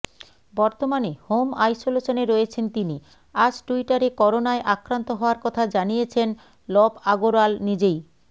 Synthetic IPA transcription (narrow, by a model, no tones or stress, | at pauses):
bɔɾt̪omanehomajsolot͡ɕoneɾɔjet͡ɕʰent̪ini | ad͡ʑʈuiʈaɾekɔɾonaeʔakɾant̪oɦɔoaɾkɔt̪ʰad͡ʑanijet͡ɕʰen | lɔbaɡoɾalnid͡ʑej